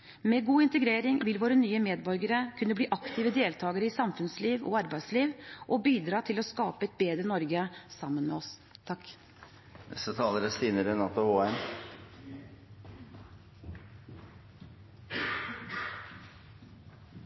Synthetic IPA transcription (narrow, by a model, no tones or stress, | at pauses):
meːɡuːɪnt̪əɡɾeːɾɪŋʋɪlʋoːɾənyːəmeːd̪bɔɾɡəɾəkʰʉnːəbliːʔɑkt̪ɪːʋəd̪eːlt̪ʰɑːɡəɾəɪsɑmfʉnsliːʋɔ̰ɑɾbæɪd̪sliːʋʔɔbiːd̪ɾɑːt̪ʰɪlɔskɑːpəɛt̪̚beːd̪ɾənɔɾɡəsɑmːənmɛ̰ɔst̪ʰɑk | ɛ̰sət̪ʰɑːləɾəst̪iːnəɾənɑt̪ʊhoːɛm